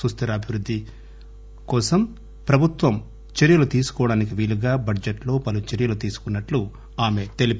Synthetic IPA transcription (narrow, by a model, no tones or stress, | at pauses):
ɾust̪ʰɐɾɐbʱiʋɾud̪ʱːi | kɔːsɐm | pɾɐbʱut̪ʋɐm | t͡ʃeɾjɐlut̪iːsu̥kɔːɐɽaːnik̬iʋiːluɡaːbʱɐɖd͡ʒeʈlo̞ːpɐlut͡ʃeɾijɐlut̪iːsu̥kunːɐʈlu | aːme̞t̪e̞lip